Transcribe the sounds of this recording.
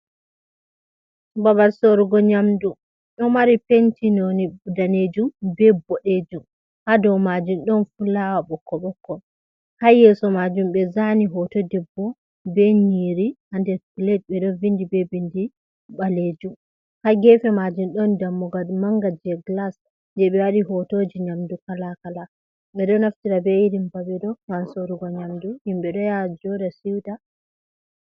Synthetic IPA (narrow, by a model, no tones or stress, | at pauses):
babaɾsoɾɡɔɲamdu | ɗɔmaɾipentinɔnibudaned͡ʒumbɛbɔɗed͡ʒum | hadɔwmad͡ʒunɗɔnfulawabɔkːɔɓɔkːɔ | hajɛsɔmad͡ʒumɓɛzaniɦɔtɔdɛbːɔ | bɛniɾihandɛɾplɛt̚bɛɗɔvindibɛbindi | ɓaled͡ʒum | haɡɛfɛmad͡ʒunɗɔndamːɔɡadmaŋɡad͡ʒɛɡlas | ndɛɓɛwaɗiɦɔtod͡ʒiɲamdukalakala | ɓɛɗɔnaftiɾabɛiɾimbaɓɛɗɔŋansoɾuɡɔɲamduhimɓɛɗɔjad͡ʒɔdasiwta